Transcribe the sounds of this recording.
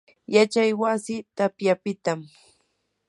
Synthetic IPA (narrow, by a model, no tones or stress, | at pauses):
jat͡ʃajwasɪt̪apjapɪt̪am